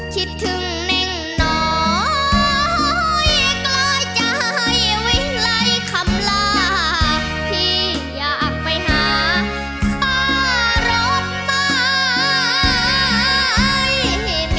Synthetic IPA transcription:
k̪ʰi˧˥t̪ʰːɯ˧˦ŋ | nɛ˧˩ŋ | nɔː˩˦˨ | jklaː˧˥˩jt͡ɕa˧˩hha˧˩jwi˧˥˩la˧˥jkʰa˧˦˥mlaː˧˩˧ | t̪ʰiː˧˩ | jaː˨˩k̚pa˧˩jɦaː˨˦ | kʰaː˧˥˩ɾoː˦˥t̪̚t̪a˧˥ | j

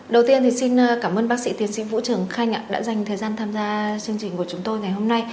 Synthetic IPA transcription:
ɗə˨˩wt̪i˧ənt̪ʰi˨˩si˧n˧˩kaː˧˩mʔəː˧nɓaː˦˥k̚sḭ˧˥t̪i˨˦ənsḭ˧˥vṵ˧˥t͡ɕɨ˧˩əŋxa˧jŋ̟ʔa̰ː˧˨ɗa̰ː˧˥za˨˩jŋ̟t̪ʰəː˨˩jzaː˧nt̪ʰaː˧mzaː˧t͡ɕɨ˧əŋt͡ɕï˨˩ŋ̟ku˧˩ət͡ɕʊ˨˦ŋ͡mt̪o˧jŋa˨˩jho˧mna˧j

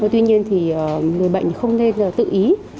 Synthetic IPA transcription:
t̪wi˧ɲi˧ənt̪ʰi˨˩əː˨˩ŋɨ˨˩əjɓa̰ː˧˨˩xə˧wŋ͡mne˧nəː˨˩t̪ɨ̰˧˨ʔi˨˦

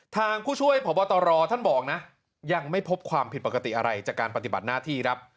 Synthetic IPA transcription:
t̪ʰaː˧ŋpʰuː˥˩t͡ɕʰu˥˩əjpʰɔ˨˩˦pɔː˧t̪ɔː˧ɾɔː˧t̪ʰa˥˩nbɔː˨˩k̚na˦˥ʔ | ja˧ŋma˥˩jpʰo˦˥p̚kʰwaː˧mpʰi˨˩t̪̚po˨˩ka˧t̪ḭ˨˩ʔa˧ɾa˧jt͡ɕaː˨˩kːaː˧npa˧t̪i˨˩ba˨˩naː˥˩t̪ʰiː˥˩kʰɾa˦˥p̚

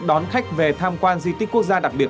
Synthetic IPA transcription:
ɗɔ˨˦nxa˦˥k̟̚ve˨˩t̪ʰaː˧mkwaː˧nzi˧t̪i˦˥k̟ku˦˥ək̚zaː˧ɗa˨˩k̚ɓi˨˩ət̚

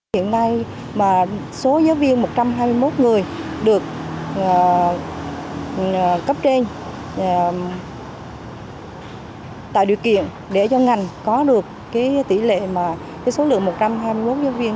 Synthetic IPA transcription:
ḭ˧˨ənːa˧j | maː˨˩ | so˨˦zaː˨˦wvi˧ənmo˨˩t̚t͡ɕa˧mɦaː˧jmɨ˧jmo˦˥t̚ŋɨ˨˩əjɗɨ˨˩ək̚ː | kə˦˥p̚t͡ɕe˧n˨˩ | t̪a̰ː˧˨jɗḭ˨˩əwkḭ˧˨ən | ɗe˧˩t͡ɕɔ˧ŋa˨˩jŋ̟kɔ˨˦ɗɨ˨˩ək̚ːaː˨˦jt̪ḭ˧˩lḛ˧˨maː˨˩ | kaː˨˦jso˨˦lɨ̰˧˨əŋmo˨˩t̚t͡ɕa˧mɦaː˧jmɨ˧jmo˦˥t̚zaː˨˦wvi˧ən

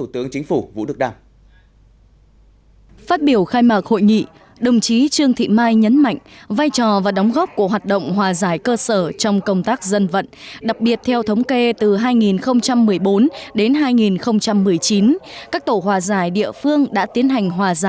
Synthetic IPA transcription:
u˧˩t̪ɨ˨˦əŋt͡ɕï˨˦ŋ̟fu˧˩vṵ˧˥ɗɨ˨˩k̚ɗaː˧m | faː˦˥t̚ɓi˧˩əwxaː˧jmaː˨˩k̚ho̰˧˨jŋḭ˧˨ | ɗə˨˩wŋ͡mt͡ɕi˨˦t͡ɕɨ˧əŋt̪ʰḭ˧˨maː˧jɲə˨˦nma̰˧˨jŋ̟vaː˧jt͡ɕɔ˨˩vaː˨˩ɗɔ˨˦wŋ͡mɣɔ˦˥p̚ku˧˩əɦwaː˨˩t̚ɗə̰˧˨wŋ͡mɦwaː˨˩zaː˧˩jkəː˧səː˧˩t͡ɕɔ˧wŋ͡mkə˧wŋ͡mt̪aː˦˥k̚zə˧nvə̰˧˨nɗa˨˩k̚ɓi˨˩ət̚t̪ʰɛ˧wt̪ʰə˨˦wŋ͡mke˧t̪ɨ˨˩ɦaː˧jŋi˨˩nxə˧wŋ͡mt͡ɕa˧mːɨ˨˩əjɓo˨˦nɗe˨˦nɦaː˧jŋi˨˩nxə˧wŋ͡mt͡ɕa˧mːɨ˨˩əjt͡ɕi˨˦nkaː˦˥k̚t̪o˧˩ɦwaː˨˩zaː˧˩jɗḭ˧˨əfɨ˧əŋɗa̰ː˧˥t̪i˨˦ənɦa˨˩jŋ̟ɦwaː˨˩zaː˧˩

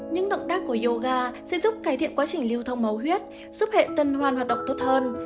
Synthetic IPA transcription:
ɲɨ̰˧˥ŋɗə̰˧˨ŋ͡mt̪aː˦˥kːu˧˩əjo˧ɣaː˧sɛ̰˧˥zʊ˦˥p̚kaː˨˩jt̪ʰḭ˧˨ənkwaː˨˦t͡ɕï˨˩ŋ̟li˧əwt̪ʰə˧wŋ͡mmə˨˦whwi˦˥ət̚ | z̥u˦˥p̚hḛ˧˨t̪ə˧nɦwaː˨˩nhwaː˨˩t̚ɗə̰˧˨ŋ͡mt̪o˦˥t̚həː˧n

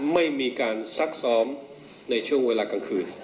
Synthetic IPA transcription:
ma˥˩jmiː˧kaː˧nsa˦˥k̚sɔː˦˥m | na˧jt͡ɕʰu˥˩əŋweː˧laː˧ka˧ŋkʰɯː˧n

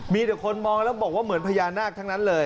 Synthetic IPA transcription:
miː˧d̪ɛ˨˩kʰo˧nmɔː˧ŋlɛː˦˥wbɔː˨˩k̚waː˥˩mɯ˩˦npʰa˧jaː˧nːaː˥˩k̚t̪ʰa˦˥ŋna˦˥nlɤː˧j

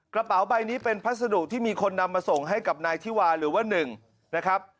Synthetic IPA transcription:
kɾa˧pa˩˦wba˧jniː˦˥pe˧npʰa˦˥sa˧du˨˩k̚t̪ʰiː˥˩miː˧kʰo˧nːa˧mːaː˧so˨˩ŋɦa˥˩jka˨˩p̚naː˧jt̪ʰiː˥˩waː˧ɾɯː˩˦waː˥˩nɯ˨˩ŋ | na˦˥kʰɾa˦˥p̚

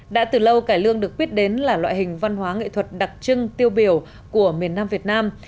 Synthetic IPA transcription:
ɗa̰ː˧˥t̪ɨː˨˩lə˧wkaː˧˩jlɨ˧əŋɗɨ˨˩ək̚ɓi˦˥ət̚ɗe˨˦nlaː˨˩lwa̰ː˧˨jhï˨˩ŋ̟va˧nɦwaː˨˦ŋḭ˧˨t̪ʰwə˨˩t̚ɗa˨˩k̚t͡ɕɨ˧ŋt̪i˧əwɓi˧˩əw | ku˧˩əmi˨˩ənːaː˧mvi˨˩ət̚naː˧m

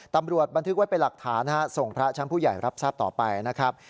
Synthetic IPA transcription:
t̪a˧mɾu˨˩ət̪̚ba˧nt̪ʰɯ˦˥k̚wa˦˥jpe˧nla˨˩k̚t̪ʰaː˩˦na˦˥so˨˩ŋpʰɾa˦˥t͡ɕʰa˦˥npʰuː˥˩ja˨˩jɾʔa˦˥p̚saː˥˩p̚t̪ɔː˨˩pa˧jna˦˥kʰɾa˦˥p̚

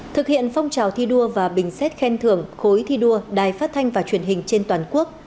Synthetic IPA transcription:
t̪ʰɨ˨˩k̚hḭ˧˨ənfɔ˧wŋ͡mt͡ɕaː˨˩wt̪ʰi˧ɗu˧əvaː˨˩ɓï˨˩ŋ̟sɛ˦˥t̚xɛ˧nt̪ʰɨ˨˩əŋxo˨˦jt̪ʰi˧ɗu˧əɗaː˨˩jfaː˦˥t̚t̪ʰa˧jŋ̟vaː˨˩t͡ɕwi˧˩ənɦï˨˩ŋ̟t͡ɕe˧nt̪waː˨˩nku˦˥ək̚

